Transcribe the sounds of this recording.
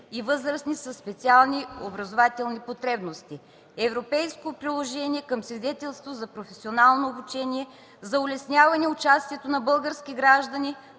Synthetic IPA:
ivɤzɾəsnisɐspɛt̪sialˠniobɾɐzovat̪ɛlˠnipot̪ɾɛbnost̪i | ɛvɾopɛjskopɾilˠoʒɛnʲiɛkəmsvid̪ɛt̪ɛlˠst̪vozɐpɾofɛsionalˠnoːbut͡ʃɛnʲiɛ | zɐʊlɛsnʲavɐnɛʊt͡ʃast̪ʲiɛt̪onɐbɤlˠɡəɾskʲiɡɾaʒd̪ɐni

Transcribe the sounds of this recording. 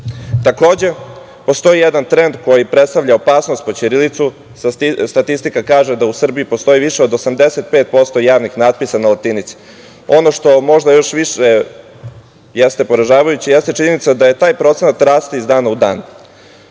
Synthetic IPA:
t̪ako̞ːd͡ʑe̞ | po̞st̪o̞ijed̪ant̪ɾe̞nd̪ko̞jipɾet̪st̪aʋʎʲaopaːsnost̪̚po̞t͡ɕiɾilit̪su | st̪at̪ist̪ikakaːʒed̪ausr̩biipo̞st̪o̞iʋiʃeo̞d̪o̞samd̪eset̪̚peːt̪̚po̞st̪o̞jaːʋnixnad̪̚pisanalat̪init̪si̥ | o̞no̞ʃt̪o̞mo̞ʒd̪ajo̞ʃʋiʃe | jest̪e̞poɾaʒaːʋajut͡ɕijest̪et͡ʃiɲe̞nit̪sad̪aje̞t̪aːjpɾo̞t̪senat̪ɾaːst̪iizd̪aːnaud̪aːn

